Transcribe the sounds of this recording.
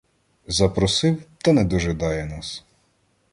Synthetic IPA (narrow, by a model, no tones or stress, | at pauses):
zɐpɾɔsɪwt̪ɐnɛd̪ɔʒɪd̪ɑjɛnɑs